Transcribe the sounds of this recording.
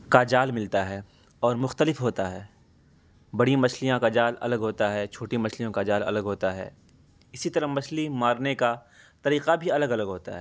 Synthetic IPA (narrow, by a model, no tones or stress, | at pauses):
kad͡ʒaːlmɪlt̪aɦɛː | ɔːɾmʊxt̪əlɪfɦoːt̪aɦɛː | bɐɽijãmɐt͡ʃʰlijãkad͡ʒaːlɐ̰ləɡɦoːt̪aɦɛːt͡ʃʰoːʈimɐt͡ʃʰlijõkad͡ʒaːlɐ̰ləɡɦoːt̪aɦɛ̰ː | ɪsit̪ɐɾəmɐt͡ʃʰlimaːɾnekat̪ɐɾiːqabʱiɐləɡɐləɡɦoːt̪a̰ɦɛː